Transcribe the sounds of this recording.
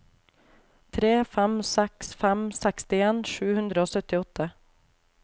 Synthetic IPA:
t̪ʰɾeːfæmsɛksfæmsækst̪ɪeːnʃʉːhʉnd̪ɾəoːsœt̪ɪɔt̪ʰə

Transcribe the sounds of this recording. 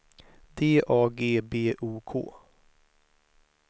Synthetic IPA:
d̪eːʔɑːɡeːbeːʔuːkʰo̰ː

